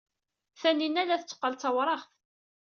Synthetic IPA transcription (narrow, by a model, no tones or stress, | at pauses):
θæninːæðæθət͡sːə̥qːəlt͡sɑwɾˤɑχθ